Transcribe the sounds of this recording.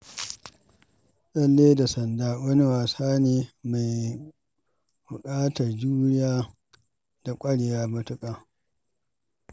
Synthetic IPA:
ɗɐ˦lːeː˦da˨sɐ˨ndaː˦wɐ˦ni˦waː˨saː˦neː˨ma˨j | bʊ˨kʼaː˦tɐ˨rd͡ʒuː˦nɪ˦jaː˦ | d̥a˨kʷʼɐ˦ɽjaː˦bʊ˦tʊ˦kʼaː˨

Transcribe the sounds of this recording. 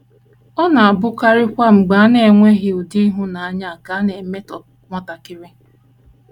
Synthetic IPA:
ɔ˦na˨a˨bʊ˦ka˦ɾɪ˦kʷa˦m̩˨ɡ͡ba˨a˦ne˨e˨ŋʷe˦ɦɪ˦ʊ˨di˦ɦʊ˦na˨a˦ɲa˦a˨ka˨˦a˦ne˨˦me˦tɔ˨ | ŋʷɔ˦ta˨kɪ˦ɾɪ˦

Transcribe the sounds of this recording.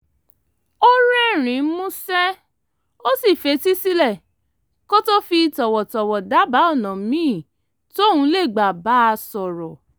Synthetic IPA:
o˦ɾɛ˦˨ɾ̃ĩ˨˦mũ˦sɛ˦ | o˦si˦˨fe˧˦ti˦si˦lɛ˦˨ | ko˦to˦fi˧i˧tɔ˨wɔ˨tɔ˨wɔ˨da˨˦ba˨˦ɔ˦˨nã˨mĩː˦˨ | to˦˨hũ˨˧˦le˦˨ɡ͡ba˨ba˨˦a˧sɔ˨ɾɔ˨

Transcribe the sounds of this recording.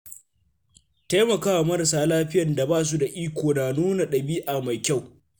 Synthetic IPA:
ta˦jmɐ˨kaː˦wa˨mɐ˦ɾɐ˨saː˦laː˦ɸɪ˦jɐ˨nda˨baː˦s̬u˦da˨ʔiː˦kʷoː˨naː˨nuː˦na˨ɗɐ˨biː˦ʔa˨ma˨jkʲa˦˨w

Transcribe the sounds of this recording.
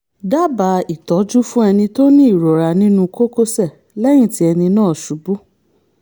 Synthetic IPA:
da˦ba˨˦i˨tɔ˨˦d͡ʒu˦fũ˦ɛ˧nĩ˧to˦nĩ˦i˦˨ɾo˨ɾa˧nĩ˦nũ˧ko˦ko˦sɛ˦˨ | lɛ˦j̃ĩ˦˨ti˨˦ɛ˧nĩ˧nãː˦˨ʃu˨˦bu˦

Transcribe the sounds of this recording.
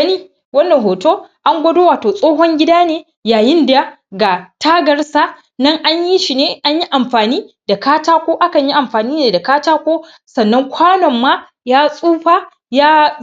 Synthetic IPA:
ɐ˦niː˦ | wɐ˦nːɐ˨ŋɦoː˨toː˦ʔa˦ŋɡʷɐ˦doː˦waː˨toː˨sʼoː˦ɦɔ˦ŋɡʲɪ˦daː˦neː˦ | jaː˨jɪ˦nda˨ | ɡa˨tʰaː˦ɡɐ˨rsa˨ | nɐ˦ŋʔa˦ɲji˦ʃi˨neː˦ʔa˦ɲji˦ʔa˨mɸaː˨niː˦da˨kaː˦taː˦kʷoː˦ʔa˦kɐ˨ɲji˦ʔa˨mɸaː˨niː˦ne˨da˨kaː˦taː˦kʷoː˦ | sɐ˨nːɐ˦ŋkʷʰaː˦nɔ˨mːaː˦ | jaː˦sʼuː˦ɸa˦ | jaː˦

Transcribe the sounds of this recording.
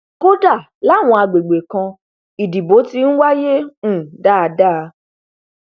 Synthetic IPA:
ko˦da˦˨ | la˨˦˨w̃ɔ̃˧a˧ɡ͡be˨ɡ͡be˨kã˧ | i˨di˨bo˨˦ti˦ñ̩˦wa˦je˦ũ˦˨da˦˨˧da˦˨˧

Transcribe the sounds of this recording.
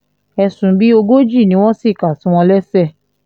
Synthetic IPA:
ɛ˧sũ˨˦bi˦o˧ɡo˦d͡ʒi˦˨nĩ˧˦w̃ɔ̃˦si˦˨ka˨tĩ˨˦w̃ɔ̃˧lɛ˦sɛ˦˨

